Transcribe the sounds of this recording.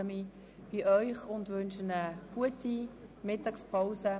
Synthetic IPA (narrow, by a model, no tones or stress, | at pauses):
əmi | b̥iʔœʏχʊndʋønʃənəɡ̥uətimɪtɑkspʰaʊsə